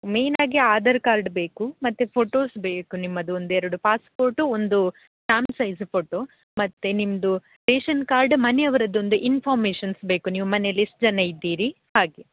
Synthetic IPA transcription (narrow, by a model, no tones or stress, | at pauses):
me̞ːnaːɡiaːd̪ɐɾkaːɾɖbe̞ːkumɐt̪ːepʰoːʈo̞ːsbeːkunimːɐd̪uond̪uɛɾɐɽupaːspoːɾʈuond̪u | saːmsɐjzpʰoːʈoː | mɐt̪ːenimɐd̪u | ʈeːʃɐnkaːɾɖmɐneɐʋɐɾɐd̪ːo̞nd̪uʔinpʰaːɾmeːʃɐnsbe̞ːkuniːʋumɐnelisʈd͡ʒɐnejid̪ːiːɾi | haːɡe